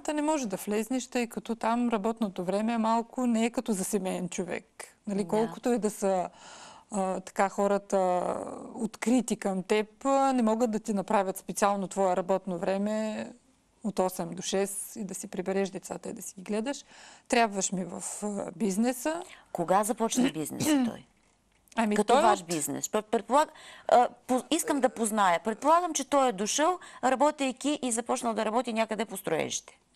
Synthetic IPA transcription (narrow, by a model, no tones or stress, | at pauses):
t̪ənɛmɔʒɛd̪ɐflɛznɛʃt̪əjkɐt̪ɔt̪amɾɐbɔt̪not̪ovɾɛmɛmalˠkʊnɛːkɐt̪ɔzɐsɛmɛɛnt͡ʃovɛ̰knɐlikɔlˠkʊ̥t̪oɛd̪ɐsə | t̪ɐ̥kaxɔɾɐt̪ə | ot̪kɾit̪ikəmt̪ɛpnɛmɔɡət̪̚d̪ɐt̪inɐpɾavʲɐt̪spɛt̪sialˠnot̪vɔɛɾɐbɔt̪novɾɛmɛ | ot̪ɔsɛmd̪oʃɛsid̪ɐsipɾibɛɾɛʃd̪ɛt̪sat̪əid̪ɐsiɡʲiɡlɛd̪ɐʃt̪ɾʲabvɐʃmivɐ̰fbiznɛsəkoɡazɐpɔt͡ʃnɐbiznɛ̰st̪ɔ̰j | ɐmikɐt̪ɔvaʃbiznɛ̰sɔpɾɛt̪polˠaɡ | poiskəmd̪ɐpoznajəpɾɛt̪̚polˠaɡəmt͡ʃɛt̪ɔjɛd̪oʃəlˠɾɐbɔt̪ʲəjkʲiʔizɐpɔt͡ʃnəlˠd̪ɐɾɐbɔt̪inʲjakəd̪ɛpost̪ɾoɛ̰ʃi̥t̪ɛ̥